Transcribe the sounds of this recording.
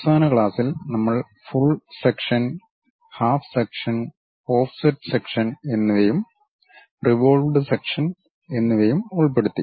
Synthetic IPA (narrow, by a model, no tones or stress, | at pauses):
saːnɐkɭaːsilnɐmːɐɭ | fuɭsekʂɐn | haːfsekʂɐn | o̞ːfsɐʈːsekʂɐne̞nːuʋɐjum | riʋo̞ːɭʋɖɨsekʂɐn | e̞nːuʋɐjumuɭpe̞ɽut̪ːi